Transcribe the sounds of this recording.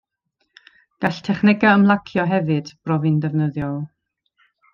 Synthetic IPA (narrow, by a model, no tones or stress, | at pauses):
ɡ̥aɬtʰɛχnɪɡaəmlˠakʰjɔɦɛvɨd̥b̥rɔvɨndɛvnəðjɔlˠ